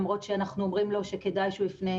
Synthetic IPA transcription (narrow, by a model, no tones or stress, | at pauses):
mʁo̞tʃeanaχnuomʁimlo̞ʃeke̞dajʃulifne